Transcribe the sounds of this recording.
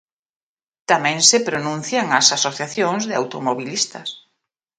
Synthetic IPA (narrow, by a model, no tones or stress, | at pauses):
t̪amɛ̃ŋsɪpɾonũnθjaŋasasoθjaθjoŋzðɪa̰wt̪omoβilist̪ɐs